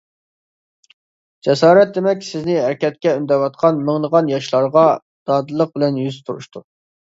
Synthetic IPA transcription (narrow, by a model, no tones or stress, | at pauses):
d͡ʒɛsɑːɾɛt̪̚d̪emɛkʲsɪznɪæɾkʲɛt̪̚kʲɛynd̪ɛvɑt̪̚qʰɑnməŋnəʁɑnjɑʃlˠɑɾʁɑ | d̪̥ɑːd̪ɨlˠːəq̚bɪlɛnjyzt̪ʰuɾṵʃt̪u